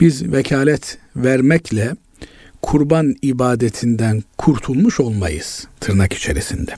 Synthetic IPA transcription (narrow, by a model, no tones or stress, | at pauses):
b̥izvɛcʰaːlʲɛt̪ʰvæɾmɛcʰlʲɛ | kʰuɾbanibaːd̪et̪ʰind̪ænkʰuɾt̪ʰulˠmuʃo̞lˠmajɯ̰z̥t̪ʰɯɾnaki̥t͡ʃʰe̞ɾisind̪ɛ